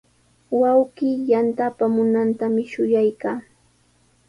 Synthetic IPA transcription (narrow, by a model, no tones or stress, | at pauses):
wawɢiːjant̪apamʊnant̪amɪʃʊjajkaː